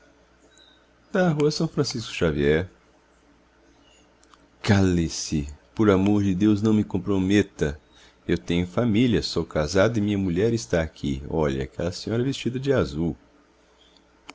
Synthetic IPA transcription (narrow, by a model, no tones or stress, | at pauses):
d̪̥aɦuɐsɐ̃w̃fɾɐ̃siskʊ̥ʃaviɛɾ | kalisipoɾamoɾd͡ʒɪd̪ewznɐ̃w̃mɪkõpɾomet̪ɐ | ewt̪ẽɲʊfamiljɐsowkazad̪ɐɪmĩɲɐmuʎɛɾɪst̪aːkʰḭɔʎɐ̰a̰kʰɛlɐsẽɲɔɾɐvest͡ʃid̪ɐd͡ʒɪazuw